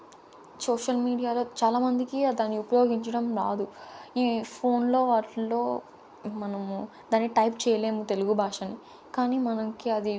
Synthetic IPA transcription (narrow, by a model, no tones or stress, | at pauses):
sɔːʂɐlmiːɽijaːlo̞ːt͡ʃaːlaːmɐnd̪ikid̪aːnːiupɐjo̞ːɡiɲt͡ʃɐɽɐmɾaːd̪uiːpʰoːnlo̞ːʋaːʈlo̞ː | mɐnɐm | d̪aːnːiʈɐjpt͡ʃɛːjɐle̞ːmut̪e̞luɡubʱaːʂɐnːi | kaːniːmɐnɐŋkiɐd̪i